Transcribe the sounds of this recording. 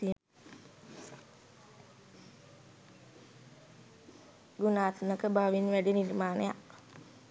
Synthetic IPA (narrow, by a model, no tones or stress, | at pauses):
i | ɡunaːt̪unəkəbaʋinʋæɖinirmaːnəja̰ʔ